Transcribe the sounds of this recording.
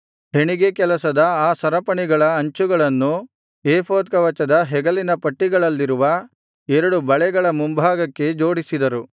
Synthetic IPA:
ɦe̞ɳiɡe̞kɛlɐsɐd̪ɐaːsɐɾɐpɐɳiɡɐɭɐːɲt͡ʃuɡɐɭɐnːu | eːpʰoːt̪̚kɐʋɐt͡ʃɐd̪ɐɦɛɡɐlinɐpɐʈːiɡɐɭɐlːiɾuʋɐ | ɛɾɐɽubɐɭɛɡɐɭɐmumbʱaːɡɐkːe̞d͡ʒo̞ːɽisid̪ɐɾu

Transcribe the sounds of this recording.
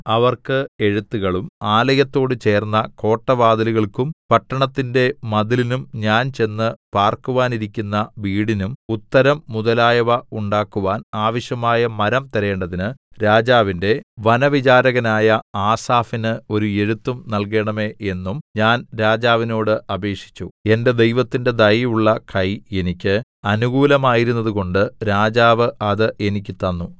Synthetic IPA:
ɐʋɐrkɨe̞ɻut̪ːuɣɐɭumaːlɐjɐt̪ːo̞ːɽɨt͡ɕe̞ːrnːɐko̞ːʈːɐʋaːd̪ɐluɣɐɭkumpɐʈːɐɳɐt̪ːinde̞mɐðilinumɲaːnt͡ɕe̞nːɨpaːrkuʋaːniɾikʲːunːɐʋiːɽinumut̪ːɐɾɐmːuðɐlaːjɐʋɐuɳɖaːkːuʋaːnaːʋɐɕjɐmaːjɐmɐɾɐmt̪ɐɾe̞ːɳɖɐðinɨɾaːd͡ʑaːʋinde̞ʋɐnɐʋit͡ɕaːɾɐɣɐnaːjɐaːsaːfinɨo̞ɾue̞ɻut̪ːumnɐlk̬e̞ːɳɐme̞ːe̞nːumɲaːnɾaːd͡ʑaːʋino̞ːɽɨʔɐbe̞ːkʂi̥t͡ɕːue̞nde̞d̪e̞jʋɐt̪ːinde̞d̪ɐjuɭːɐkɐje̞nikʲːɨ | ɐnuɣuːlɐmaːjiɾunːɐðuɣo̞ɳɖɨɾaːd͡ʑaːʋɨɐðɨʔe̞nik̬ʲːɨt̪ɐnːu

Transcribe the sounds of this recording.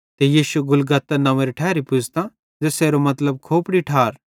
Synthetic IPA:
t̪ejiːʃuɡʊlɡɐt̪ːɐnɐ̃ʋeɾiʈʰɛːɾipʊd͡ʒʱt̪ã | d͡ʒeseːɾomɐt̪ləb̚kʰoːpɽiʈʰaːɾ

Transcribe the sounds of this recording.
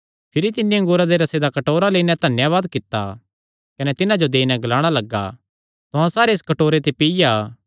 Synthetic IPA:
pʰɪɾit̪ɪnːiɐ̃ŋɡʊːɾad̪eɾɐsed̪akɐʈoːɾaleːinɛ̃t̪ɐnjaʋaːd̪kɪt̪ːa̰ | kɐnɛt̪ɪnãd͡ʒod̪eːinɛ̃ɡɐlaːɽ̃alɐɡːa̰ | t̪ʊɦãsaːɾeːskɐʈoːɾet̪̬epɪjaː

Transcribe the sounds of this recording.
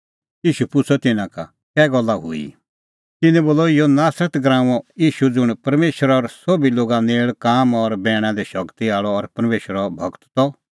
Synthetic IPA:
iːʃupʊt͡sʰɔt̪ɪnãka̰ | kɛːɡɔlːaɦʊ̰ḭ | t̪ɪnɛ̃boːlɔɪjɔnaːsɾət̪ɡɾãːũɔiːʃud͡zʊɽ̃pɐɾmeːʃɾɔɾsobiloːɡaneːɭkaːmɔɾbɛːɽ̃ãd̪ɛʃɐkt̪iaːɭɔːɾpɐɾmeːʃəɾɔbʱɐkt̪ːɔ

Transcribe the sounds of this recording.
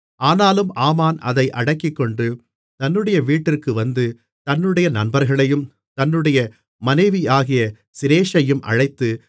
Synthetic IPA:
ʔaːnaːlɯmʔaːmaːnɐðɐɪʔɐɽɐɪkːɪkːɔɳɖɯ | t̪ɐnːɯɽɐjɐʋiːʈːɪrkɯʋɐnd̪ɯ | t̪ɐnːɯɽɐjɐnɐnbɐɾɣɐɭɐjɯm | t̪ɐnːɯɽɐjɐ | mɐnɐɪʋiaːɣɪjɐ | sɪɾeːʂɐjɯmʔɐ̰ɻɐɪt̪ːɯ

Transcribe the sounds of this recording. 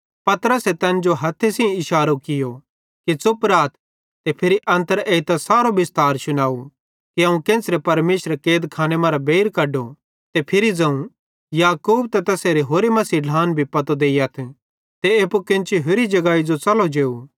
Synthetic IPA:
pɐt̪ɾəset̪ɛːnd͡ʒoɦɐt̪ʰːesĩɪʃaːɾokɪjo | kit͡sʊpɾaːt̪ʰ | t̪epʰɪɾiʔɐ̃nt̪əɾeːit̪asaːɾobɪst̪aːɾsʊnaːu | kiɐũkẽːsɾepɐɾmeːʃɾekeːd̪kʰaːñemãːɾabeːɾkɐɖo | t̪epʰɪɾid͡zɐ̃ũ | jaːkuːb̚t̪ɐt̪ɐseːɾeɦoːɾemɐsiːɖʱaːnbʱipɐt̪od̪eːijat̪ʰ | t̪eeːpukẽnt͡ʃiɦʊɾid͡ʒɐɡaːid͡ʒot͡sɐlod͡ʒeːu

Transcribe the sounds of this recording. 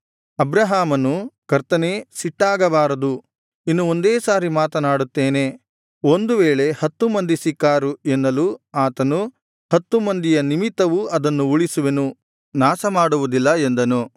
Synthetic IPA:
ɐbɾɐɦaːmɐnukɐɾt̪ɐneːsiʈːaːɡɐbaːɾɐd̪u | inːuo̞nd̪eːsaːɾimaːt̪ɐnaːɽut̪ːeːne̞ | o̞nd̪uʋeːɭe̞hɐt̪ːumɐnd̪isikːaːɾuenːɐluaːt̪ɐnu | hɐt̪ːumɐnd̪ijɐnimit̪ːɐʋuɐd̪ɐnːuuɭisuʋenu | naːsɐmaːɽuʋud̪ilːɐend̪ɐnu

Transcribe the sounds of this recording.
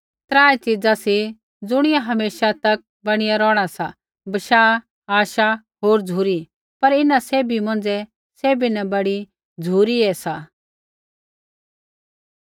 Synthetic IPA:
t̪ɾaːet͡ʃɪd͡zasi | d͡zʊɽ̃ɪjaɦɐmeːʃat̪ɐk̚ | bɐɽ̃ɪjaɾɔːɽ̃asa | bɐʃaː | aːʃa | ɦoːɾd͡zʱuːɾi | pɐɾɪnaseːbʱimɐ̃n̆d͡zɛ | seːbinɐbɐɽi | d͡zʱuːɾiɛsaː

